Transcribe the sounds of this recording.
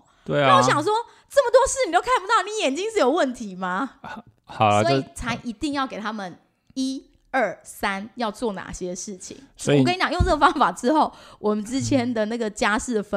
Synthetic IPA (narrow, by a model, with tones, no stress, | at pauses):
t̪we˥˩˨ɕjɑ˨˩ŋʂ̬wɔ˥ | ʈ͡ʂə˥˩mə˨t̪wɔ˥ʂ̩˥˩n˨i˨t̪o˥ʊkʰa˥˩nmpu˧t̪ɑ˥˩ʊni˨˦jɛ˨˩nt͡ɕi˥ŋʂɻ̩˥˩jo˨˩ʊwə˥˩nt̪ʰi˧˦ma˦ | hɑ˨˩sɔ˦˥˧i˨˩t͡sʰa˧˥ɪʔi˧˥t̪i˥˧ŋjɑ˥˩ʊke˨˩ɪt̪ʰa˥mə˨n | i˦ | ə˥˩sa˦njɑ˥˧ʊt͡swɔ˥˩na̰˨˩ɕjɛ˦ʂɻ̩˥˩t͡ɕʰḭ˨˦ŋɔ˦˨i˨kʰt͡ɕɑ˨ŋjŋnə˥˩ɡə˩fɑ˥ŋfa˨˩ʈ͡ʂɻ̩˦xo˥˩ʊwʔɔ˨˩mə˨˦nʈ͡ʂɻ̩˦˥t͡ɕʰjɛ˥nd̪ə˨na˥˩ɡə˩t͡ɕja˥ʂɻ̩˥˩ə˩fə˦